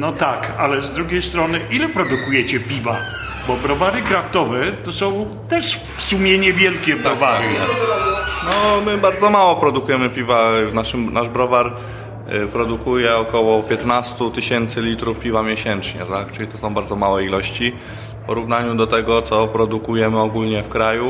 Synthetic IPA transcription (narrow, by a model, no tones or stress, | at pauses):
nɔt̪akalɛzd̪ɾuɡʲejst̪ɾɔnɘʔilɛpɾɔd̪ukujɛt͡ɕɛpʲiva | bɔbɾɔvaɾɘɡɾaft̪ɔvɛt̪ɔsɔ̃w̃ | t̪ɛʂ | fsumʲjɛɲɛvʲjɛlkʲɛbɾaɔvaɾɨa | nɔmɘbaɾd̪zɔmawɔpɾɔd̪ukujɛmɘpʲivavnaʂɘmnʔaʐbɾɔvaɾ | pɾɔd̪ukujɛɔkɔwɔpʲjɛt̪nast̪ut̪ɘɕɛnt̪sɘlʲit̪ɾufpʲivamʲjɛɕɛnt͡ʂɲɛ̰t̪akt͡ʂɘlʲit̪ɔsɔ̃w̃baɾd̪zɔmawɛilɔɕt͡ɕi | fpɔɾuvnaɲud̪ɔt̪ɛɡɔt̪sɔpɾɔd̪ukujɛmɘɔɡulɲɛfkɾaju